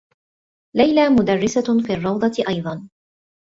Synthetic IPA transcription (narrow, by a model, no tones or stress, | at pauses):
lajlaːmʊd̪ɑrːɪsafiːɑrˤːɑwd̪ˤɑʔɑjd̪ˤɑn